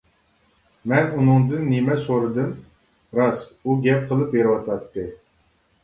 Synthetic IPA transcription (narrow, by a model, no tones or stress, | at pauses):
mɛnunɨŋd̪ɨnːimɛsoɾɨd̪ɨm | ɾɑsuɡʲɛp̚qʰəlˠɨpjeɾwɑt̪ʰɑt̪ːɨ